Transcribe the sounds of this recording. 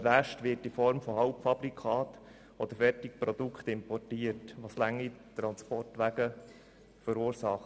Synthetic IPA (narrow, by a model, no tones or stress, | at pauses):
ʋæʃtʋɪɾtifɔɾmfɔhɑʊpfɑb̥ɾikʰɑːt̪ | ɔd̪əɾfɛrtɪk̚pɾɔd̪ukχt̪ɪmpɔrtiːətʋɑslæŋːit̪ɾɑnspɔrtʋæɡə | fəɾuːɾsɑχt